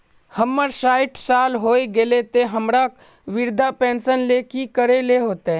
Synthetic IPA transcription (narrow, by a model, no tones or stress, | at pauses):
həmːəɾʃaːɪʈʰsaːlɦoːiɡelet̪eɦəmɾak | ʋɪɾd̪ʱapɛ̃ːnsənleːkikəɾeleɦoːt̪e